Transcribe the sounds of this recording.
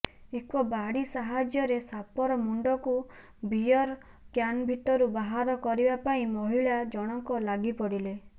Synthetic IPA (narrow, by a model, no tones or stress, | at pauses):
ekɔbaɽisaɦad͡ʒjɔɾesapɔɾɔmuɳɖɔku | bijɔɾ | kjanbʱit̪ɔɾubaɦaɾɔkɔɾibapaĩmɔɦiɭad͡ʒɔɽ̃ɔŋkɔlaɡipɔɽile